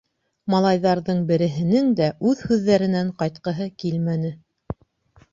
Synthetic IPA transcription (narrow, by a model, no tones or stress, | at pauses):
mɑlˠɑjðɑɾðɤɴbɘ̆ɾɘ̆ɦɘ̆nɘŋd̪æʔʉðhʉðːæɾɘ̆næɴqɑjt̪̚qɤ̆ɦɤkilmænɘ